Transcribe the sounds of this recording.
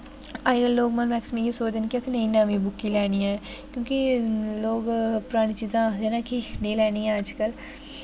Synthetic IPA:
aːd͡ʒɡəlːoːɡmɐnmɛːksmĩkisoːd͡ʒənkiɛsenɐɦĩnaːmĩbʊkːilɛːniɛ̃ːkjõːkiloːɡpʊɾaːɽ̃it͡ʃiːzãleːnakinɐĩlɛːniɛ̃əd͡ʒkəl

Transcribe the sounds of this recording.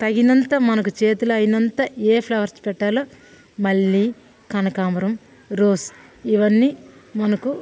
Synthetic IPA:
t̪ɐɡinɐnt̪ɐmɐnɐkut͡ʃe̞ːt̪ulɐɐjinɐnt̪ɐeːpʰlɐʋɐɾspɛʈːaːloː | mɐɭːiː | kɐnɐkaːmɐɾɐm | ɾoːs | iʋɐnːiːmɐnɐku

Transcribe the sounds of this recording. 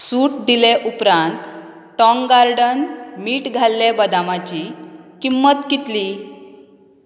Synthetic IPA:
suːʈ̚d̪ileʔupɾãnt̪ | ʈɔ̃ŋɡaɾɖənmiːʈɡʱalːebəd̪amat͡ɕikimːət̪kit̪li

